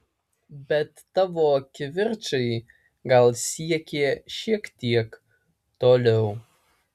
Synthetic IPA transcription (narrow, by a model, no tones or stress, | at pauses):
bɛtːavokʲʰːɪvɪrʈ͡ʂʰɨj | ɡalsijɛkʲʰeʃiktʰiɛk | tʰolow